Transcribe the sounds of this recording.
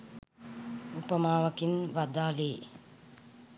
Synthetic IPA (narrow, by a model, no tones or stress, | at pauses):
upəmaːʋɐkinʋad̪aːleː